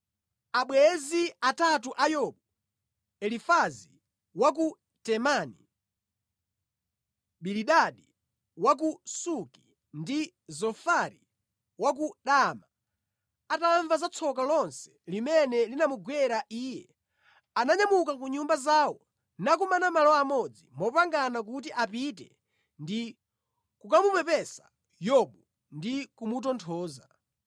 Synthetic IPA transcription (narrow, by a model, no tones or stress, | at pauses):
aɓwɛziatatuʔajɔɓɔ | ɛlifazi | wak̬u | tɛmani | ɓiliɗaɗi | wak̬usuki̥ | ndi | zɔfaɾi | wak̬uɗama | ataɱvazat͡sʰɔk̬alɔnsɛ̥limɛnɛlinamuɡwɛɾaʔiːjɛ | anaɲamukakuɲumbazawɔ | nakumanamalɔamɔd͡zimɔpaŋɡanak̬ut̬iʔapitɛ̰ | ndi | kukamupɛpɛsḁ | jɔɓɔ | ndikumutɔntʰɔːza